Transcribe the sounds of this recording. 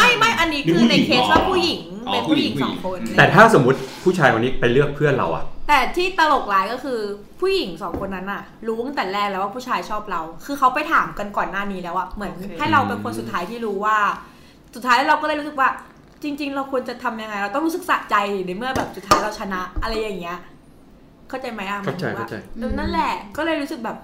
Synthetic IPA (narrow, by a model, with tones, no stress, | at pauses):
ma˥˩jma˥˩jʔa˧nːiː˦˥kɯ˧na˧kʰeː˦˥swaː˥˩pʰuː˥˩ji˨˩˦ŋ | pe˧npu˥˩i˨˩˦ŋɔː˦ŋkʰo˧nt̪ɛː˨˩t̪ʰaː˥˩so˩˦mːu˦˥t̪̚pʰuː˥˩t͡ɕʰaː˧jwa˧nːiː˦˥pa˧jlɯ˥˩ək̚pʰɯ˥˩ənɾa̰˧wʔa̰˨˩ʔt̪ɛː˨˩t̪ʰiː˥˩t̪a˧lo˨˩k̚laː˨˦jkɔ˥˩kʰɯː˧ | pʰuː˥˩ji˨˩˦ŋsɔː˩˦ŋkʰo˧nːa˦˥nʔa˨˩ | ɾuː˦˥t̪t̪ɛː˨˩lɛː˥˩k̚lɛː˦˥waː˥˩pʰuː˥˩t͡ɕʰaː˧jt͡ɕʰɔː˥˩p̚ɾa˧wkʰɯː˧kʰa˦˥wpa˧jt̪ʰaː˩˦mka˧nkɔː˨˩nːaː˥˩niː˦˥lɛː˦˥wʔa˨˩ʔmɯ˩˦ənha˥˩jɾa˧wpe˧nkʰo˧nsu˨˩t̪ʰːaː˦˥jt̪ʰiː˥˩ɾuː˦˥waː˥˩ | su˨˩aː˦˥j̪ʰaː˥˩ɾa˧wkɔː˥˩lɤ˧˩jɾu˦sɯ˨˩k̚waː˥˩ | t͡ɕi˧ŋt͡ɕi˧ŋɾa˧wkʰu˧ənt͡ɕa˨˩t̪ʰa˧mja˧ŋːa˧jɾa˧wt̪ɔ˥˩ŋɾuː˦˥sɯ˨˩k̚sa˨˩t͡ɕa˧jna˨˩˦mɯ˥˩ɐbɛː˨˩p̚su˨˩t̪ʰːaː˦˥jɾa˧wt͡ɕʰa˧na˦˥ʔʔa˧ɾa˧jːa˨˩ŋːi˦˥ɐ | kʰa˥˩wt͡ɕa˧jma˦˥jʔa˨˩a˥˩˦t͡ɕa˧jka˥˩t͡ɕa̰˧jna˥˩nlɛ˨˩kɔː˥˩lɤː˧jɾu˦˥ɯ˨˩k̚bɛː˨˩p̚